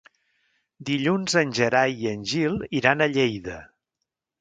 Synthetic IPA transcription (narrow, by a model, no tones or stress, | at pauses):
d̪iʎunzənʲʒəɾajiənʲʒilˠiɾanəʎejðə